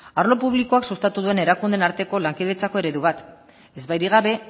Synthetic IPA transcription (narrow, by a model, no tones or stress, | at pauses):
aɾlo̞puβ̞liko̞aksust̪at̪uðue̞ne̞ɾakund̪e̞naɾt̪e̞ko̞laŋkeðet͡sako̞e̞ɾe̞ðuβat̪ | e̞zβajɾiɣ̞aβe̞